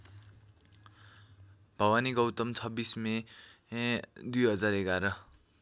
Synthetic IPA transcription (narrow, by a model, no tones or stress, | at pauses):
b̥ʱʌwaniɡʌwt̪ʌmt͡sʰʌbːisme | d̪ujɦʌd͡zaɾeɡaɾʌ